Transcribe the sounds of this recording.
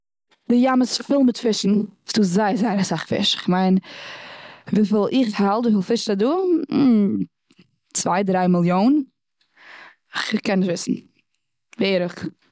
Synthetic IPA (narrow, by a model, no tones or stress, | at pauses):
dɪjaməsfɪlˠmɪtfɪʃn̩ːsd̥uːzaɪəɾzaɪəɾasaχfɪ̰ʃɪχmaɪn | viːfɪlˠɪχhalˠtviːfɪlˠfɪʃtaduː | t͡svaɪdɾaɪmɪlˠjoːn | ɪχkɛnːɪʃtvɪsn̩ | vɛɾəχ